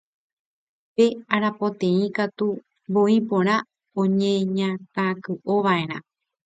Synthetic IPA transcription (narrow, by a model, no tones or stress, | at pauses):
pe̞aɾapot̪ẽ̞ĩkat̪u | boipõ̞ɾ̃ã | õɲẽɲãt̪ãkɨʔoʋae̞ɾ̃ã̰